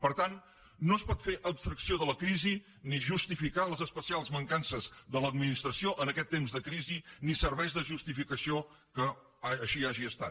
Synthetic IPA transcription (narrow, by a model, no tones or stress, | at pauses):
pəɾt̪anː | oəspɔt̪feʔəpst̪ɾəksioðələkɾizi | niʒust̪ifikaləzəspəsialˠzməŋkansəzðələd̪minist̪ɾəsioʔənəkɛt̪ːemzðəkɾizinisəɾβɛjzðəʒust̪ifikəsio | kəː | ʃiaʒiəst̪a̰t